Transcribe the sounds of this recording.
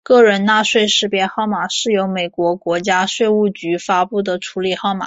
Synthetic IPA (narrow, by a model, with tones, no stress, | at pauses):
kɤ˥˩ɻə˧˥nna˥˧ʂwe˥˧ɪʂɻ̩˥˧pjɛ˥˧xɑ˥˩ʊma˨˩ʂɻ̩˥˩jo˧˥ʊme˨˩ɪkwɔ˧˥kwɔ˧˥t͡ɕja˥ʂwe˥˧ɪu˥˩t͡ɕy˧˥fa˥pu˥˩d̪ə˩ʈ͡ʂʰu˧˥li˨˩xɑ˥˩ʊma̰˨˩˦